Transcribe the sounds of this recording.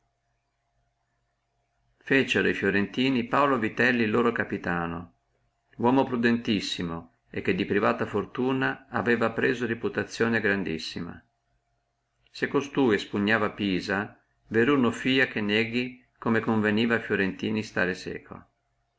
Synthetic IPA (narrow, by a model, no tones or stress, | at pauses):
fet͡ʃeɾjfjoɾent̪iːnipaolovit̪ɛlːilːoːɾokapit̪aːno | wɔːmopɾud̪ent̪isːimo | ek̟ːed̪ːipɾivaːt̪afort̪uːnaaveːvapɾeːzoɾiput̪at̪sːjoːneɡɾand̪ḭsːima̰ | sekːost̪uːjspuɲːaːvapiːza | veɾunofiːakenːeɡi | komekoɱveniːvafjoɾent̪iːnist̪a̰ːɾesɛ̰ːkʰo̰